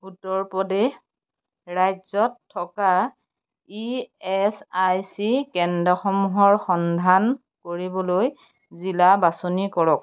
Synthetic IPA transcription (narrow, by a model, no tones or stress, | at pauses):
utɔɹpɔdɛ | ɹajzɔtʰːɔka | iɛsajsikɛndɔxɔmuɦɔɹxɔndʱan | koɹibɔloj | zilabasonikɔɹɔk̚